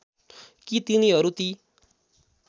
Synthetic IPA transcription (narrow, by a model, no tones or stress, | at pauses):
kit̪iniɦʌɾut̪i